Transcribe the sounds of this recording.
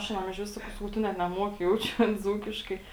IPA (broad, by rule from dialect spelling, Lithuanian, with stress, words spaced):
ɐʃ ɐˈnɐm ɪʃʲˈʋʲɪs ˈsɑːkɐʊ ˈsɑːkɐʊ ˈtʊ nʲɛt nʲɛˈmuɔkʲɪ ˈjɛʊt͡ʃʲʊ ɐn ˈd͡zuːkʲɪʃkɐɪ